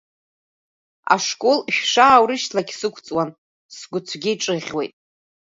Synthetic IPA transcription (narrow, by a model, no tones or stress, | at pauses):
a̰ʂkʼolʃᶣʂaːwɾɨʃtʰlaɡʲsɨkʷʰt͡sʼwan | sɡʷʊt͡sʷʰɡʲɪiʈ͡ʂʼɨʁʲwejtʼ